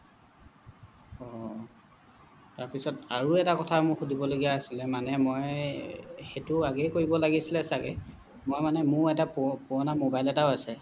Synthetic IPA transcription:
ɔ | taɹpisɔta̰ɹuɛtakɔtʰamʊɹxudʱibɔloɡijaːsilɛmanɛmɔj | xetʊaɡɛjkoɹibɔlaɡisilɛsaɡɛ̰ | mɔjmanɛmʊɹɛtappuɔnamobajlɛtaʊasɛ

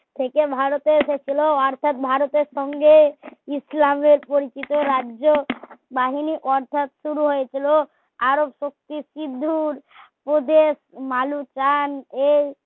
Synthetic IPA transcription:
t̪ʰekebʱaɾot̪eʃet͡ɕʰiloɔɾt̪ʰat̪̚bʱaɾot̪eɾʃɔŋɡeislameɾpoɾit͡ɕit̪oɾaobaɦiniʔɔɾt̪ʰat̪ʃuɾuɦojet͡ʃʰilo | aɾobʃok̚t̪isid̪ʱːuɾpɾod̪esmalut͡ʃane

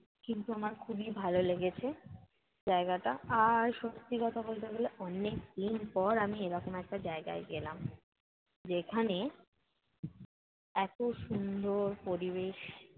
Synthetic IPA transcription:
kint̪uamaɾkʰubibʱaloleɡet͡ɕʰe | d͡ʑaeɡaʈaaɾʃost̪ikɔt̪ʰabolt̪eɡoleʔɔnːekd̪inpɔɾamieɾɔkomɛk̚ʈad͡ʑaeɡa̰eɡelam | d͡ʑekʰane | ɛkoʃund̪ʱoɾpoɾibeʃ

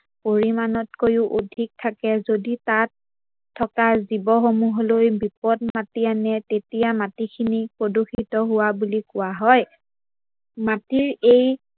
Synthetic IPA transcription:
poɹimanɔtkojʊʔodʱik̚tʰakɛzoditatʰː | ɔkazibɔxomuɦlojbipɔtmatianɛtetijamatikʰinipɹoduxʰitɔɦʊwabulikʊwaɦɔj | matiɹej

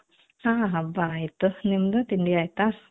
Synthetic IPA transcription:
hãɦabait̪ːunimd̪ut̪iɳɖiajt̪as

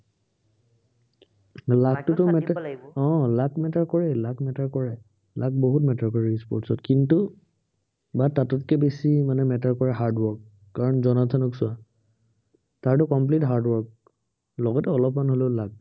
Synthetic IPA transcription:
laktʊtʊmɛtɔ̃lakmɛtaɹkɔɹɛlakmɛtaɹkɔɹɛ | lak̚boɦutmɛtaɹkɔɹɛispɔɹtsɔtkintu | batatɔtkɛbesimanɛmɛtaɹkɔɹɛɦaɹdwɔɹkː | aɹɔnzɔnatʰanɔksʊa | taɹtʊkɔmplitɦaɹdwɔɹk̚ | lɔɡɔtɛɔlɔpmanɦoleʊlak̚

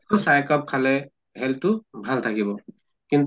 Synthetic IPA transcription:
kʰɔsajkɔp̚kʰalɛ | ɦɛltʊbʱaltʰakibɔ | kin

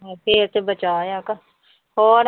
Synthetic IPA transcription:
pʰeɾt̪ebət͡ʃaːjaːka | hɔːɾ

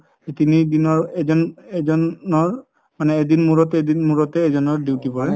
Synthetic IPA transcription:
etinidinɔɹɛzɔnɛzɔnnɔɹ | manɛːdinmuɹɔtedinmuɹɔtɛːzɔnɔɹdiwtipɔɹɛ

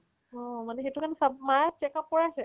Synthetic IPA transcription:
ɔ̃manɛxetʊkanɛsabmat͡ʃɛkap̚kɔɹaasɛ

